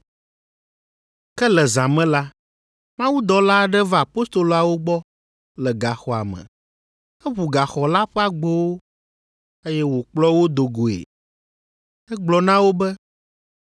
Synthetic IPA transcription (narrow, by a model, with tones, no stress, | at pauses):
kɛ˦lɛ˨zã˨mɛ̃˦la˦ | mã˦wu˦d̪ɔ˨la˦˨ɖɛ˦va˦˨a˨po˦st̪o˨lo˨a˨wo˦ɡ͡bɔ˦ | lɛ˨ɡa˨xɔ˨a̰˨mɛ̰̃˨ | ɛ˦βu˨ɡa˨xɔ˨la˦ɸɛ˦a˦˨ɡ͡bo˦wo˦ | e˦jɛ˦wo˨k͡plɔ˦wo˦d̪o˨ɡo˨ḛ˨ | ɛ˦ɡ͡blɔ˨nã˦wo˦bɛ˦